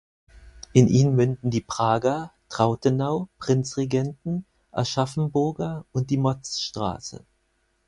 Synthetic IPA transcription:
ʔɪnʔiːnənmʏndn̩diːpʁ̥aːɡɐtʁ̥aʊtənaʊpʁ̥ɪnt͡sʁeɡɛntn̩ | ʔɛ̰ɐʃafn̩bʊɐɡɐʊnt̚d̥iːmɔt͡sʃtʁ̥a̰ːsə̰

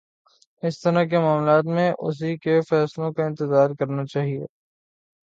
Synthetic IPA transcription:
ɪst̪ɐɾakemaːmlaːt̪mẽʔʊ̰s̬ikefɛːslõkaɪ̃nt̪ɪzaːɾkɐɾnat͡ʃaːɦiḛː

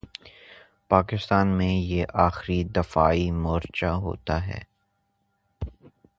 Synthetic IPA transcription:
paːkɪst̪aːnmẽjeʔaːxɾid̪ɐfaːimɔːɾt͡ʃaɦo̰ːt̪aɦɛ̰ː

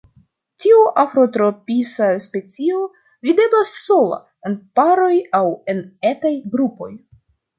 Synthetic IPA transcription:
tiuʔafɾo̞tɾo̞pisaspe̞t͡sio̞ | vide̞blasːo̞la̰ | e̞npaɾo̞jawe̞netajɡɾupo̞̰j

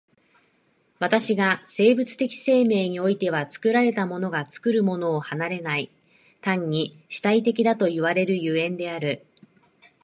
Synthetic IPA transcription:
βat̪aɕiɡase̞ːbɯ̟t͡sɨ̥t̪e̞kʲi̥se̞ːme̞ːɲ̟io̞it̪e̞β̞at͡sɨ̥kɯ̟ɾaɾe̞t̪amo̞no̞ɡat͡sɨ̥kɯ̟ɾɯ̟mo̞no̞ːhanaɾe̞nai | t̪ãɲ̟ːi | ɕi̥t̪ait̪e̞kʲid̪at̪o̞iβ̞aɾe̞ɾɯ̟jɯ̟ẽ̞nd̪e̞aɾɯ̟

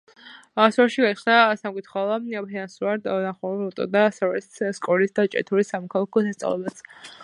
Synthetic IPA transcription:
sɔɾɛʃiɡasnasamkʼit̪ʰχalˠɔpʰɛnansuɾaɾd̪aχɔɾulɔt̪ʼɔ̰d̪asɔɾɛsskʼɔlisd̪at͡ʃʼɛ̰t̪ʰuɾisamɔkʰalˠakʰɔsast̪sʼa̰vlɛbat̪sʰ

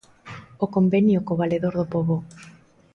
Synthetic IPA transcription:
okombenjʊkoβaleðoɾðopoβo

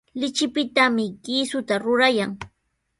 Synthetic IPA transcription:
lɪt͡ʃɪpɪt̪amɪkɪːsʊt̪aɾʊɾajaŋ

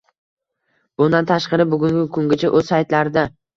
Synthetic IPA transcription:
b̥ʊnd̪ant̪ʰaʃqɑɾɪbʊɡʲʊŋɡʲɪkʰʊŋɡʲɪt͡ʃʰaʔɵz̥sajt̪laɾɪd̪a

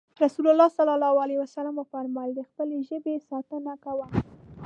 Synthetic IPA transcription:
ɾasulalːɑsalɑlɑwalewasalamafaɾmɑld̪əxpəleʒəbesɑt̪ənakawa

